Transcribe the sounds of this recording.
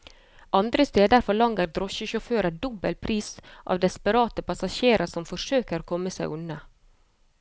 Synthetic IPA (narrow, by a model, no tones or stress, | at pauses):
ɑnd̪ɾəst̪eːd̪əɾfɔɭɑŋɡəɾd̪ɾɔʃəʃʊføːɾəd̪ɔbəlpʰɾiːsʔɑ̰ːʋd̪ɛspəɾɑːt̪əpɑsɑʃeːɾʔəsɔmfɔʂøːkəɾkʰɔməsæɪʔʉnə